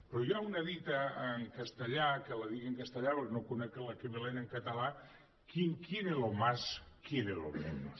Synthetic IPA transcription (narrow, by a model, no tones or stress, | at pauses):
pɾojoaunɐðit̪aːŋkast̪eʎakelaðiɣeeŋkast̪əʎapeɾnokunekelakeβeleneŋkat̪ala | kjiŋkjeɾelomaskjeɾelo̰mḛnos